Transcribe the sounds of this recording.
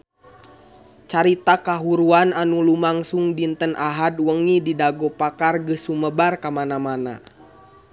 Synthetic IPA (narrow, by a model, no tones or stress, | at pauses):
t͡ʃaɾit̪akaɦuɾuananulumaŋsuŋdint̪ənʔaɦad̚wəŋididaɡɔpakarɡəsuməbarkamanamana̰